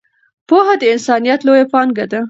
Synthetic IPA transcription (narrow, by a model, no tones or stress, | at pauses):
poɦad̪əɪnsɑnijat̪lojapɑnɡad̪a